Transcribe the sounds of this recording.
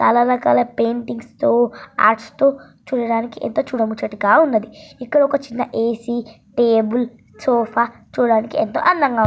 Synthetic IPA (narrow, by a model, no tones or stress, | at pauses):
k̪ɐlɐɾɐka̰ːlɐpeːnʈiŋɡst̪oːa̰ːɾʈst̪o̞ː | t͡ʃuːɽɐɽaːnikiʔḛnt̪oːt͡ʃuːɽɐmut͡ʃːɐʈikaːunːɐd̪iikːɐɽɐɔkɐt͡ʃinːɐʔeːsiː | ʈeːbul | sɔːpʰaːt͡ʃuːɽaːnikient̪o̰ːʔɐnd̪ɐŋɡaː